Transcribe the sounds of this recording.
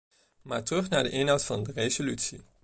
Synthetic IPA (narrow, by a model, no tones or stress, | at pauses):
maːɹtrɵχnaːɹdəʔɪnɦɔwtfɑndərezolytsḭ